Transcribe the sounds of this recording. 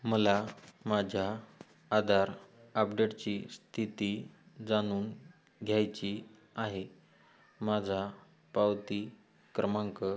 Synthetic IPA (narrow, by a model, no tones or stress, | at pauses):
məlamad͡ʑʱjaː | d̪ʱaɾəpɖeʈt͡ɕiːst̪ʰit̪iː | d͡zañuːn | ɡʱjajt͡ɕi | aɦe | mad͡zʱa | pawt̪iː | kɾəmãŋkə